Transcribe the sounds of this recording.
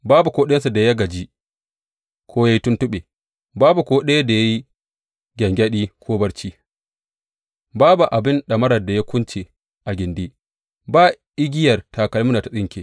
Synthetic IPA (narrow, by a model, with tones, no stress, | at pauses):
baː˦bu˨kʷoː˦ɗe˦nsu˨da˨ja˦ɡɐ˨d͡ʒi˦ | kʰoː˦ja˦ji˦tʊ˦ntʊ˦ɓe˨ | baː˦bu˨kʷoː˦ɗe˦ja˦da˨ja˦ji˦ | ɡʲɐ˨ŋɡʲɐ˦ɗiː˦kʰʷoː˦bɐ˦rt͡ʃiː˦ | baː˦bu˨ʔa˨bɪ˦nɗɐ˨mɐ˦ɾɐ˨da˨ja˦kʷʊ˦nt͡ʃe˨ | ʔa˨ɡʲɪ˨ndiː˦ | baː˦ʔɪ˦ɡʲɪ˦jɐ˨rtʰa˨kɐ˨lmʊ˦na˨ta˨sɪ˦ŋkʲe˨